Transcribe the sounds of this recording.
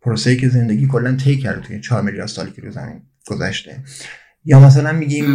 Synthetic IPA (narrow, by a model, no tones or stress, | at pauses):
pʰoɾosejiːcʰʲezend̪e̞ɡʲiːkʰo̞lːænt̪ʰejʰæɾd̪et̪ʰujet͡ʃʰɒːɾmeljɒ̰ɾd̪sɒ̰ːlicʰeɾuzæ̰nḭ | ɡ̥ozæ̰ʃt̪ḛ | jɒːmæs̬ælænmiːɟʲiːm